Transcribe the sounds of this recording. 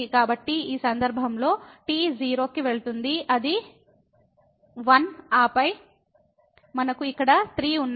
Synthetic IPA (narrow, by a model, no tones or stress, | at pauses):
kaːbɐʈːiiːsɐnd̪ɐɾbʱɐmlo̞ːʈiːd͡ʒiːɾo̞ːkiʋe̞ɭut̪und̪iʔɐd̪i | ʋɐnaːpɐj | mɐnɐkuikːɐɽɐt̪ɾiːunː